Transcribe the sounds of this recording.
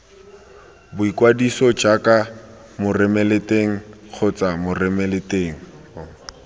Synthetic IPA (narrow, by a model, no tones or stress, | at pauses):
bʊikwadisɔd͡ʒakʼa | mʊrɛmɛletʼeŋ̩k͡xʰʊt͡samʊrɛmɛleteːŋ̩